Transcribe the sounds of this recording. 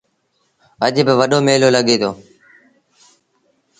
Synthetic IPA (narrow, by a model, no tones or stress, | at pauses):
əʄbɪʋəɗoːmeːloːləɠeːt̪ʰoː